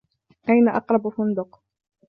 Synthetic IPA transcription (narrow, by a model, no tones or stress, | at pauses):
ʔajnaʔɑ̰qɾˤɑbfʊnd̪ʊq